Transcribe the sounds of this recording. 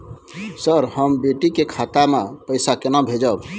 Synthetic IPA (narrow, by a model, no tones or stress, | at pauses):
səɾhəmbeʈikekʰat̪amepəɪsakenabʱed͡ʒəb